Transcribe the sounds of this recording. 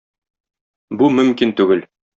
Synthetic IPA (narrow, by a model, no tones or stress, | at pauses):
bumɵ̆mkint̪ʉɡɘl